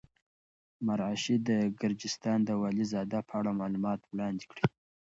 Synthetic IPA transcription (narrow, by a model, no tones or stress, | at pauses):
maɾaʃid̪əɡɪɾd͡ʒɪst̪ɑnd̪əwɑlizɑd̪apʰəaɽamɑlumɑt̪wlɑnd̪ikɽi